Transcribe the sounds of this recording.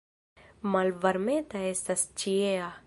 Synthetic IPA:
mɐlʋɐɾmẽːt̪ɐesɐst͡ʃiea

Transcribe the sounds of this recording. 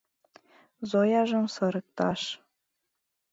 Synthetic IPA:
zojɑʒɤ̆msɤ̆ɾɤ̆k̚t̪ɑʃ

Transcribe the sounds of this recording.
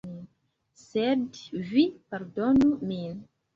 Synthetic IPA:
i | sedvipaɾdonumin

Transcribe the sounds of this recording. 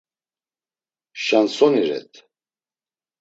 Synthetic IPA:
ʃansɔniɾɛ̰t̪ʰ

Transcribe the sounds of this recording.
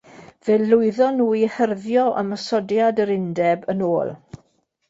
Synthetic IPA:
v̥ɛlʊɨðɔnuːihərðjɔʔə̰məsɔdjadəɾɪndɛbənoːlˠ

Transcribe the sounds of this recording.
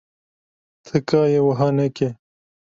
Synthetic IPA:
t̪ʰekaːjewɐɦɐneke

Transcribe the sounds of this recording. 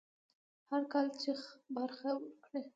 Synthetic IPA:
haɾkɑlt͡ʃixbaɾxawəɾkɽe

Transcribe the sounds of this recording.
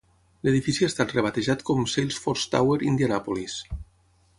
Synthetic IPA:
leðifisiest̪at̪reβ̞at̪eʒat̪komsejlˠsfɔɾst̪a̰weɾind̪janapolis

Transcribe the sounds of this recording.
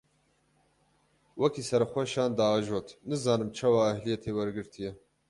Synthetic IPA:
wɐkʰisɐɾɨxʷɛʃɑːnd̪ɑːʒoːt̪ʰnɨzɑːnɨmt͡ʃʰɐwɑːhlijɛt̪ʰeːwɐɾɡɨɾt̪ʰijɛ

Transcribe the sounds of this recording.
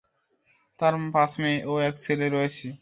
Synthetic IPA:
t̪aɾpasmeʔoɛkt͡ɕʰeleɾɔet͡ɕʰi

